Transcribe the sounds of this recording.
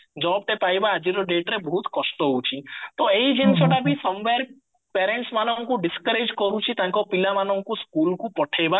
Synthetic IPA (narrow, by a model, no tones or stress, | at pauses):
d͡ʒɔːb̚ʈepajbaːd͡ʒiɾoɖeʈɾebɔɦut̪kɔsʈoɦũt͡ʃʰit̪oeid͡ʒint͡ʃʰoʈabʱisɔmʋeɾk̚ | peɾẽɳʈsmanɔŋkũɖɪskəɾed͡ʒkɔɾũt͡ʃʰit̪ãkopɪlamanɔ̃ŋkũskuːlkũpɔʈʰeba